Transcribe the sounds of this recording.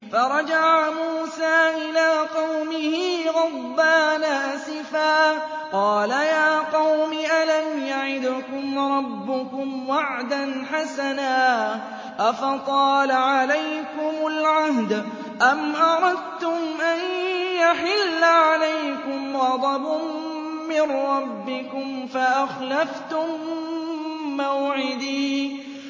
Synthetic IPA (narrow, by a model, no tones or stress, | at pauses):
fɑɾˤɑd͡ʒaʕamuːsaːʔɪlaːqɑwmɪhiːɣɑd̪ːaːnaːsɪfaː | qɑːlajaːqɑwmɪʔalanjaʕɪd̪ʊkʊmɾˤɑbːʊkʊmwaʕd̪anħasanaː | ʔafɑt̪ˤɑːlaʕalajkʊmʊlʕahd̪ | ʔamʔɑɾˤɑd̪̚t̪ʊmʔanjaħɪlːʕalajkʊmɣɑd̪ˤɑbʊ | mɪnɾˤɑbːɪkʊmfaʔaxlaft̪ʊm | awʕɪd̪iː